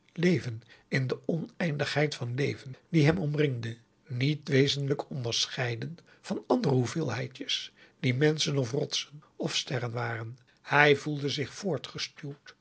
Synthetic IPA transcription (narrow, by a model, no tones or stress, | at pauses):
lejvənɪndəʔɔnɛjndəχɦɛjtfɑnlejvəndiɦɛmɔmrɪŋdə | nitʋejzənləkʰɔndəɹsχɛjdən | v̥ɑnɑndərəɦuvɪːlˠɦɛjtəs | d̥imɛnsənɔfrɔtsənɔfstɛrənʋaːrən | hɛjvulˠdəzɪχfʊːɹtχəstylt